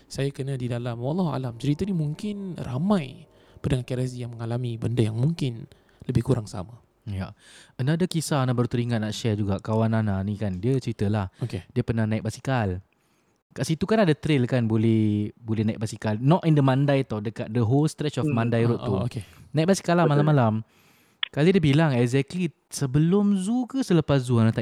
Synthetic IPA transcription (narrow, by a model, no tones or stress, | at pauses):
sajakənadidalamwɑlːɑɦua̰lamt͡ʃəɾit̪ənimuŋkɪnra̰mãj | pəndaŋankɛɾazijaŋməŋalamibəndəjaŋmuŋkɪn | ləbɪhkuɾaŋsa̰ma | ja̰ənadakisanabərt̪əɾiŋat̪̚naʔʃɛd͡ʒuɡaʔkawanananikandiət͡ʃəɾit̪əlahokediəpənahnait̪̚basi̥kal | kaʔsit̪ukanadat̪ɾɪlkanbolɛhbolɛhnaiʔ̚basikalnɔtindəmãndajt̪awdəkat̪̚dəɦolst̪ɾɛt͡ʃɔfmãndajɾʊt̪ːuokenait̚basi̥kalamalamalam | kalədiəbilaŋɛkzɛkli | səbəlʊmzukəsələpaszuanat̪a